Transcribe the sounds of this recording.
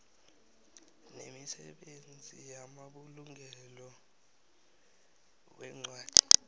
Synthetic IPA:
nemisɛ̰ɓend͡zʱijamaɓuluŋʱɛlɔ | wɛŋ͡ǀwaːd̥ʰʱi̥

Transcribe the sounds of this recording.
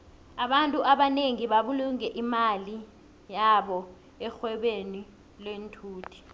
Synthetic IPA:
aɓantʼuʔaɓaneŋiɓaɓuluŋɛʔimali | jaɓɔ | ɛxwɛɓeni | lwentʰuːtʰi̥

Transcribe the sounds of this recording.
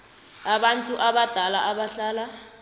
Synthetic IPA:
aɓantʼuʔaɓad̥ʱalaʔaɓaɬaːla

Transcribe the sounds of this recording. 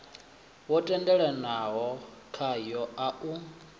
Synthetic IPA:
wɔtʼɛndɛɺɛnaɦɔkʰajɔaʔu

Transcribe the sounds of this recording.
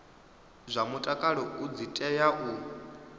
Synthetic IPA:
zʷamutʼakʼaɺɔʔud͡zitʼɛjaʔu

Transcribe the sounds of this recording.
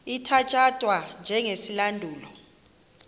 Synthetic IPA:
itʰat͡ʃʼad̥ʼʱwand͡ʒʱɛŋesilandʱuːlɔ

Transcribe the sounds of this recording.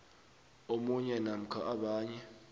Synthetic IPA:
omuɲɛnam̩kʰaʔaɓaːɲɛ

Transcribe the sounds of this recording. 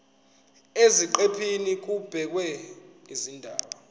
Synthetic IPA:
eziǃepʰinik̬ub̥ʱɛk̬wɛŋizindʱaːɓa

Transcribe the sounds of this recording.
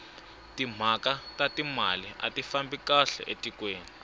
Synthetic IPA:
tim̤akatatimalia̰tifambikaɬɛ̰ʔetʼikweːni

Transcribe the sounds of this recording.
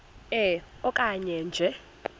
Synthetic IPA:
ɛɔkʼaɲɛnd͡ʒʱɛ

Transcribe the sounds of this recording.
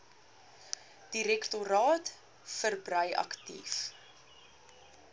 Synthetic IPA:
d̥iɾɛktoɾɑːt | fərbrəjɐ̰ktḭf

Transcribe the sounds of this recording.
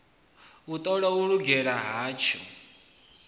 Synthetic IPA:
ut̪ʼɔɺauɺuɡɛɺaɦaːt͡ʃʰɔ

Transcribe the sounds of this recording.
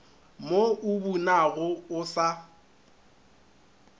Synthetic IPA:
moʔʊbunaɣʊʊsa

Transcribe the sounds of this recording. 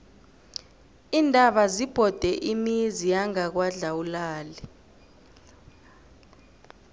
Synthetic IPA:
iːndʱaɓazib̥ʱɔd̥ʱɛʔimizijaŋak̬waɮawulaːli

